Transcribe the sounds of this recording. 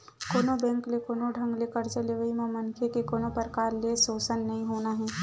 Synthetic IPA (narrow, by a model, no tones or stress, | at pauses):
koːnobɛ̃ːŋklekoːnoɖʱə̃ŋɡlekɐɾt͡ʃəleʋəimẽmɐnkʰekekoːnopəɾkaːɾlesoːsənːɐɦĩɦoːnaɦɛː